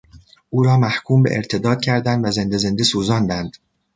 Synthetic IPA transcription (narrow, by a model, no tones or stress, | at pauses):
ʔuːɾɒːmæhkʰuːmbḛʔeɾt̪ʰe̞d̪ɒːd̪̥̚cʰæɾd̪ænd̪væze̞nd̪e̞ze̞nd̪esuːzɒːnd̪ænd̪̥